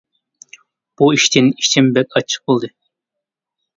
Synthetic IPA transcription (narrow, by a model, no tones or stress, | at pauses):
b̥uiʃt̪ʰɪniʃt͡ʃ̪ʰɪmbɛk̚ʲɑt͡ʃʰːɨ̥q̚bolˠd̪ɨ